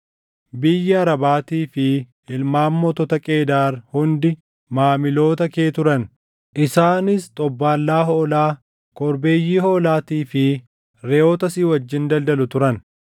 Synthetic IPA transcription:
bɪjːɐɐɾɐbaːt̪iːfɪ | ɪlmaːmːɔt̪ɔt̪ɐkʼe̞ːd̪aːɾhʊnd̪ɪ | maːmɪlo̞ːt̪ɐke̞ːt̪ʊɾɐn | ʔɪsaːnɪst̪ʼɔbːaːlːaːɦoːlaː | kʼɔɾbe̞ːjːiːhoːlaːt̪iːfɪ | ɾɛoːt̪ɐsiːwɐd͡ʒːɪnd̪ɐld̪ɐlʊt̪ʊɾɐn

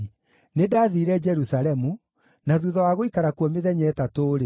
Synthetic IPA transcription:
nedaːðiɾɛd͡ʒɛɾusaɾɛmu | naðuðɔwaɣoikaɾakwɔmeðɛɲɛtatoːɾe

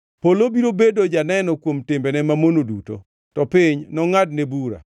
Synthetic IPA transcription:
polobiɾobedod͡ʒanɛnɔkwomtɪmbɛnɛmamonoduto̰ | tɔpɪɲnɔŋadnebuɾa̰

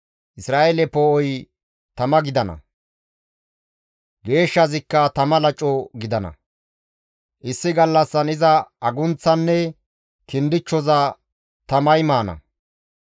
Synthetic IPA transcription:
ʔɪsɾaːʔelɛpɔʔɔj | t̪ɐmɐɡɪd̪ɐnɐ̰ | ɡe̞ːʃːɐzɪkːɐt̪ɐmɐlɐt͡ʃʼɔɡɪd̪ɐnɐ̰ | ʔɪsːɪɡɐlːɐsːɐnɪzɐɐɡʊnt͡sːɐnːɛ | kɪnd̪ɪt͡ʃːɔzɐ | t̪ɐmɐjmaːnɐ̰

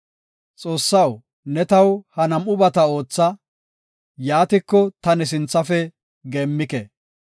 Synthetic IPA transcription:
t͡sʼo̞ːsːɐw | nɛt̪ɐwhɐnɐmʊbɐt̪ɐo̞ːt͡sːɐ | jaːt̪ɪkːɔt̪ɐnɛs̬ɪnt͡sːɐfɛ | ɡeːmːɪkɛ

